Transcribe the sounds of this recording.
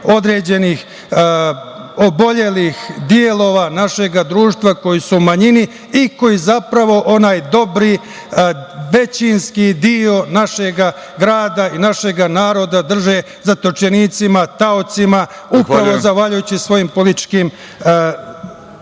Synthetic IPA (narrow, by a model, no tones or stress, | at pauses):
o̞d̪ɾe̞ːd͡ʑe̞nix | obo̞ʎe̞lixd̪jelo̞ːʋanaʃe̞ɡad̪ɾuːʃt̪vʋako̞jisumaɲini | iko̞jizapɾaʋo̞ʔo̞naːjd̪o̞bɾi | ʋe̞t͡ɕinskid̪io̞naʃeɡa | ɡɾaːd̪ainaʃe̞ɡanaːɾo̞d̪ad̪r̩ʒe | zat̪ot͡ʃeniːt̪simat̪aot̪sima | upɾaʋo̞zaxʋaʎujut͡ɕisʋo̞jimpo̞litt͡ʃkiːm